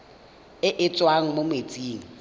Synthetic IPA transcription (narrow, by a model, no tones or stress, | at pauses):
ɪʔɪt͡sʼwaŋ̩momet͡sʼiːŋ̩